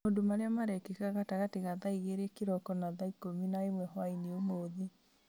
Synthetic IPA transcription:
ondomaɾeamaɾɛkekaɣataɣateɣaðaiɣeɾekeɾɔkɔnaðaikominaemwɛhwaineomoðe

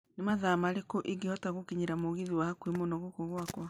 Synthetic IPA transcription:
nemaðamaɾekoʔeɡehɔtaɣokeɲeɾamoɣiðiwahakwemonɔɣokoɣwakwa

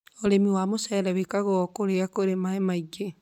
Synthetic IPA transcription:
oɾemiwamosɛɾɛwekaɣɔkoɾeakoɾemaemaiɡe

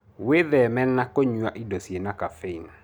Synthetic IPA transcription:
weðɛmɛnːakoɲuaʔidosjenakafein

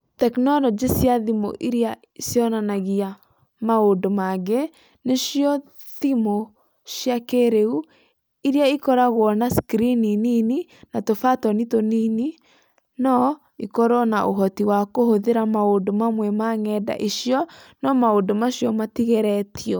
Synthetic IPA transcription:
tɛknɔlɔd͡ʒisjaðimo̰ʔiɾia | isjɔnanaɣia | maodomaɣe | neʃiɔ | ðimo | ʃjakeɾeu | iɾiaikɔɾaɣwɔnaskɾininininatofatɔnitonini | nɔ | ikɔɾɔnaʔoɦɔtiwakohoðeɾamaondomamwɛmaŋɛda̰ʔiʃiɔnɔmaodomaʃjɔmatiɣɛɾɛtʰiɔ

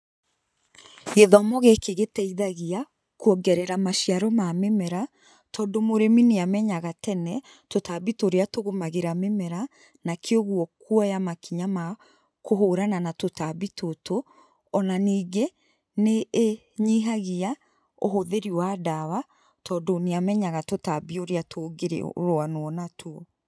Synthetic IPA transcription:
eðɔmɔɣekeɣetɛiðaɣia | kuɔɡɛɾɛɾamaʃiaɾɔmamemɛɾa | tʰɔːndomoɾemineamɛɲaɣatɛnɛ | totaβitoɾeatoɣomaɣeɾamemɛɾa | nakeoɣwɔkuɔjamakiɲama | koɦoɾananatotabitʰoto | ɔnaniːɡe | neː | ɲiɦaɣia | oɦoðeɾiwaːdawa | tʰɔdoneamɛɲaɣatotabioɾeatʰoɡeɾḛɾoanoɔnatʰoɔ

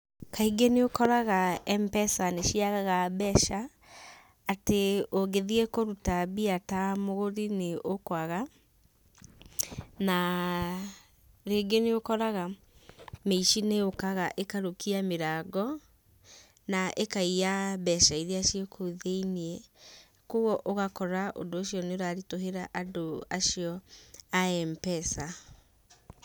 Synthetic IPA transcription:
kaiɡeneokɔɾaɣaɛmpɛsaneʃiaɣaɣabɛʃaː | teoɡeðiekoɾutabiatamoɣoɾineʔokwaɣa | na | ɾeːɡeneokɔɾaɣa | meiʃineokaɣaʔekaɾokiameɾaɡɔ | naʔekaijabɛʃaiðeaʃiekʰoðeiniɛ | koɣɔʔoɣakɔɾaʔo̰doːʃiɔneoɾaɾitoɦeɾaʔadoaʃiɔaɛmpɛsa

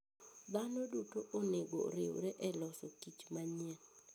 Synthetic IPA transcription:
d̪anodutoʔoneɡoɾewɾɛʔɛlɔsokit͡ʃmaɲɛn

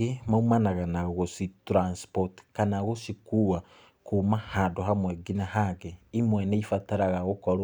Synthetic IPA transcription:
emaumanaɣanaɣositɾanspotkanaɣosikuwa | kumahadoɦamweɡinahaɡeimweneifataɾaɣaɣokoɾo

